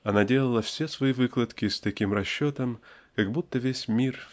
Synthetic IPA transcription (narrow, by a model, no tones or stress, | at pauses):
ɐnadʲelˠəlˠəfsʲesvɐivɨklˠət̪kʲɪst̪ɐkʲimrɐɕːot̪əmkɐɡbut̪ːəvʲesʲmʲir